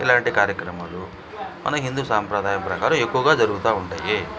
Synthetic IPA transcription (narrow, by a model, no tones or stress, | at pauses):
ḭlaːɳʈikaːɾjɐkɾɐmaːlu | mɐ̰nɐɦind̪uːsaːmpɾɐd̪ʱaːjɐmpɾɐkaːɾɐme̞kːuʋɐɡaːd͡ʒɐɾuɡut̪aːuɳʈaːjeː